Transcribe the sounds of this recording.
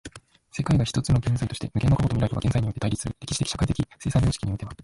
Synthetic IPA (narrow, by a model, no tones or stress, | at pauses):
se̞kaiɡaçi̥t̪ot͡sɨno̞ɡẽ̞nzait̪o̞ɕi̥t̪emɯ̟kenːokako̞t̪omiɾait̪oɡa̰ɡẽ̞nzaiɲ̟ijo̞t̪ːeaiɾʲisɨɾɯ̰ɾe̞kʲi̥ɕi̥t̪ekʲiɕḁkait̪ekʲise̞ːsãd͡ʑoːɕi̥kiɲioit̪emas